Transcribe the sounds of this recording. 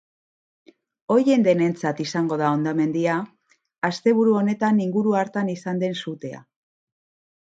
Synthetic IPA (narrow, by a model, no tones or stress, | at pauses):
o̞je̞nd̪e̞ne̞nt͡sat̪isaŋɡo̞ð̞ao̞nd̪ame̞nd̪iaː | st̪e̞β̞uɾuo̞ne̞t̪aniŋɡuɾuaɾt̪anisand̪e̞nsut̪e̞a̰